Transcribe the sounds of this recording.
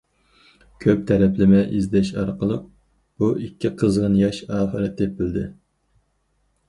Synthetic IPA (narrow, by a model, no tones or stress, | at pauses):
kʲʰøp̚t̪ʰɛɾɛplɪmɛʔizd̪ɛʃɑ̰ɾqəlˠəq̚ | b̥uikʲːiqʰəzʁənjɑʃɑːχɨɾɛt̪̚d̪ep̚ːɪld̪ɪ